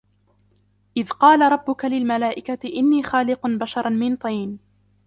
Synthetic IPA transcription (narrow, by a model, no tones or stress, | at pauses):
ʔɪðqɑːlaɾˤɑbːʊkalɪlmalaːʔɪkat̪ɪʔɪnːiːxaːlɪqʊnbaʃɑɾˤɑnmɪnt̪ˤɑjn